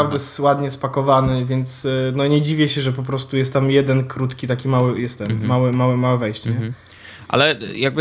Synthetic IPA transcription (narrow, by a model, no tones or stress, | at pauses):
avd̪ɛjɛswad̪ɲɛspakɔvanɘvʲjɛnt̪snɔɲɛd͡ʑivʲjɛɕɛʐɛp̬ɔp̬ɾɔst̪ujɛst̪ːamjɛd̪ɛnkɾut̪kʲit̪akʲimawɘjɛst̪ɛmːawɘmawɛmawɛvɛjɕt͡ɕɲɛ | ʔa̰lɛjaɡ̚bɘ